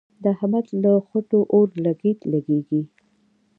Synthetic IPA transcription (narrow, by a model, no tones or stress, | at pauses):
d̪əhamat͡sləxoʈoʔoɾlaɡit̪laɡeɡi